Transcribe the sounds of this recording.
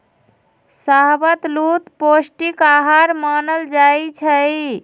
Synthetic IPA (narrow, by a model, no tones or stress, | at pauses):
saɦbət̪lut̪posʈikaɦaɾmanəld͡ʒajt͡ʃʰəj